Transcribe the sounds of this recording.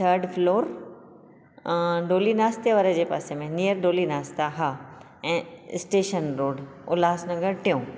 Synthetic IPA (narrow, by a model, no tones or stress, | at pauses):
t̪ʰəɾɖfloːɾ | ɖoːlinaːst̪eʋaːɾəd͡ʑeːpa̰ːsemẽnijəɾɖoːlinaːst̪aɦa | ɛ̃ːɪ̰sʈeːʃənɾoːɖ | ʊlaːsnɐɡəɾʈɪjõː